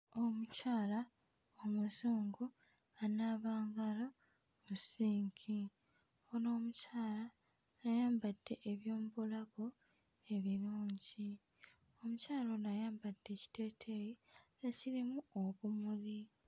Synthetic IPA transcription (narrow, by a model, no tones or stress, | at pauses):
o̞mucaːla | omuzuːŋɡu | anaβaːŋɡalo | musiːŋkʰi | ono̞ːmucaːlaː | jaːmbad̥ːe̞ʔeβjo̞ːmubolaɡo̞ | e̞βiluːɲɟi | o̞mucaːlonajaːmbad̥ːe̞ci̥te̞ːtʰe̞ji | ecilimuoβumuli